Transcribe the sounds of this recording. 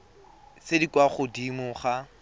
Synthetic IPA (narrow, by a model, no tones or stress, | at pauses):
sedikwaχʊdimʊχa